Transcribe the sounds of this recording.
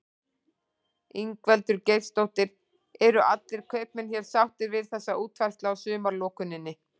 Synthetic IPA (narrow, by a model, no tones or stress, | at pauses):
iŋkvɛlt̪ʏɾcejɾst̪owht̪ɪɾ | ɛɾʏʔat̪lɪɾ̥kʰœɥp̚nɪnçɛɾ̥sawht̪ɪɾvɪð̥θɛsːaʔuːt̪vajr̥t̪laawsʏːmaɾlɔːkʏnɪnːɪ